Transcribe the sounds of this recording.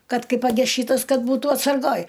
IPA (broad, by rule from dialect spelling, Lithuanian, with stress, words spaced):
ˈkɐt ˈkɐɪ pɐˈɡʲɛs ˈʃʲiːtɐs ˈkɐt ˈbuːtuː ɐtsɐrˈɡoːj